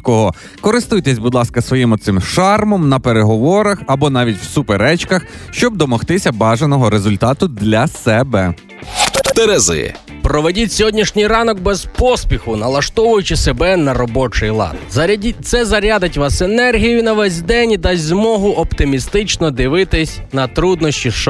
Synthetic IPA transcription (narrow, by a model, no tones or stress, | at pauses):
kɔɦɔ | kɔɾɪst̪ujt̪ɛsʲbud̪lˠɑskɐsʋɔjimʊt̪sɪmʃɑrmɔmnɐpeɾeɦɔʋɔɾɐxɐbɔnɑʋʲitʲwsʊpeɾɛt͡ʃkɐxʃt͡ʃɔb̚d̪ɔmɔxt̪ɪsʲɐbɑʒenɔɦɔɾezʊlʲt̪ɑt̪ʊd̪lʲɐsɛbɛ | t̪eɾɛzɪ̰ɛ̰ | pɾɔʋedʲitʲsʲɔɦɔdʲnʲiʃnʲijɾɑnɔk̚bɛz̥pɔspʲixʊnɐlˠɐʃt̪ɔʋʊjʊt͡ʃɪsebɛnɐɾɔbɔt͡ʃɪjlˠɑ̰nd̪zɐit̪sɛzɐɾʲad̪ɪtʲʋɑsenɛrɦʲijʊnɐʋɛzʲd̪ɛnʲid̪ɑzʲzʲmɔɦʊʔɔpt̪ɪmʲist̪ɪt͡ʃnɔd̪ɪʋɪt̪ɪsʲnɐt̪ɾud̪nɔʃʲt͡ʃʲiʃ